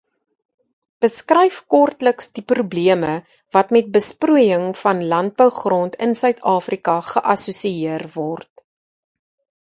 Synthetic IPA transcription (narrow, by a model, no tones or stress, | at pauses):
b̥əskrɛjfkɔrtləksdiprubliəmə | vɐtmɛt̚bəspruəjəŋfɐnlɐnt̚bəwχrɔntʰənsœɥtʰɑːfrikɐχəʔɐsusiiərvɔrt̚